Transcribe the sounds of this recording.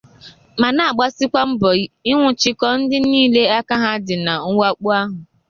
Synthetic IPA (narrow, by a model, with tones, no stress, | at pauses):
ma˨na˦˨a˨ɡ͡ba˦sɪ˦kʷa˦m̩˦bɔ˨˦ɪ˦ŋʷʊ˨t͡ʃɪ˦kɔ˦n̩˦dɪ˦niː˦˨le˦a˦ka˦ɦa˦dɪ˨na˨ŋ̩˦wa˦k͡pu˦a˦ɦʊ˨